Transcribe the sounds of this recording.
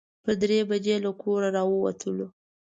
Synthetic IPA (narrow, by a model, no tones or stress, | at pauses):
pəɾd̪ɾebad͡ʒelakʰoɾaɾɑwəwa̰t̪ʰəlo